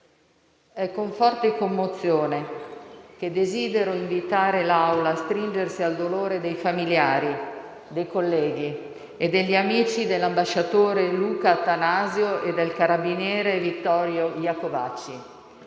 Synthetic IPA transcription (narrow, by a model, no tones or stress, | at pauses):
ɛkːoɱfɔrt̪ekomːot̪sːjoːne | k̟ed̪ːeziːd̪eɾoiɱvit̪aːɾelawlaːst̪ɾind͡ʒersiald̪oloːɾed̪ejfamiljaːɾi | d̪ejkolːɛːɡi | ed̪ːeʎːiamiːt͡ʃid̪elːambaʃːat̪oːɾeluːkat̪anaːzjoed̪ːelkaɾabinjɛːɾevit̪ːɔɾjojakova̰t͡ʃːi